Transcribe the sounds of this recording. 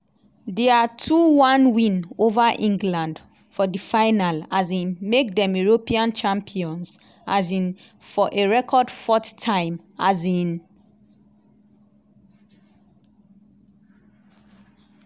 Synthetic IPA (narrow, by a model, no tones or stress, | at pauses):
dɛatʰuwãnwĩnovaʔĩŋɡlãnd | fɔdifaɪnalazĩnmek̚dɛ̃meɹopiãnt͡ʃãmpʰiɔ̃ns | ʔa̰zĩn | fɔʔeɹɛkʰɔdfɔttʰãɪ̃m | azĩn